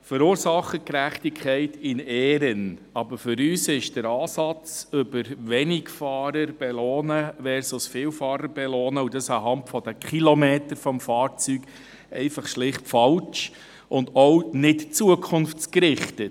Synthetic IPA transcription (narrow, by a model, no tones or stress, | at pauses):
fəɾuːɾsɑχəkɾæχtikʰχɛɪtɪnɛːɾən | ɑbəɾfʏɾyːsɪʃd̥əɾɑːsɑt͡sʏbəɾʋɛnɪɡfɑːɾəɾb̥ɛloːnəʋɛːɾsɔsfɪːwfɑːɾəɾbɛlɔːnəudɑsɑɦɑntfɔd̥əkχilɔmeːtəɾfɔmfɑːɾt͡syːɡ̥ | ɛ̰ɪfɑχʃlɪχtfɑlt͡ʃ | ʔʊndɔwnɪtt͡suəkʰʊnft͡skɾɪχtə